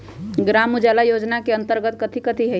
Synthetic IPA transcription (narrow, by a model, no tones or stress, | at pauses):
ɡɾaːmud͡ʒɛːlajoːd͡ʒnakeə̃nt̪əɾɡət̪kət̪ʰikət̪ʰiɦɛ